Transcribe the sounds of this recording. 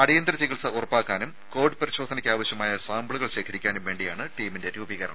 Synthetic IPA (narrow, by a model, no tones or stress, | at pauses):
ɐɽijɐnd̪rɐt͡ɕ̪iɣiɭsɐurɐpːaːkːaːnum | ko̞ːɖɨpɐɾiɕo̞ːd̪ʱɐnɐkʲːaːʋɐɕjɐmaːjɐsaːmbɭuɣɐɭɕe̞ːkʰɐɾikʲːaːnumʋe̞ːɳɖijaːɳɨʈiːminde̞ɾubiɣɐɾɐ̰ɳɐm